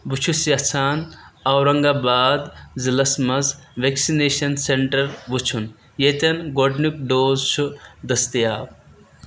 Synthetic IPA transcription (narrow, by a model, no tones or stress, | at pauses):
but͡ʃʰusijɐt͡sʰaːnɐwɾɐŋɡaːbaːd̪zilɐsmɐzʋeksineːʃɐnseɳʈɐɾbut͡ʃʰun | jet̪ʲɐnɡoɖnuk̚ɖoːzt͡ʃʰud̪ɐst̪ijaːb